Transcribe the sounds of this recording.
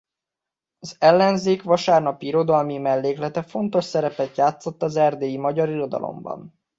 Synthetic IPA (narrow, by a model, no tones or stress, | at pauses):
ɒzɛlːɛnzeːkʋɒʃaːrnɒpiɾo̞d̪ɒlmimɛlːeːklɛt̪ɛfo̞nt̪o̞ʃsɛɾɛpɛt̪jaːt̪so̞t̪ːɒzɛrd̪eːjimɒɟɒɾiro̞d̪ɒ̰lo̰mbɒ̰n